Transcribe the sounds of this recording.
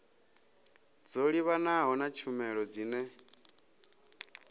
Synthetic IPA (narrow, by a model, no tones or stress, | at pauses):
d͡zoɺiβanaɦɔnat͡ʃʰumɛɺɔd͡ziːnɛ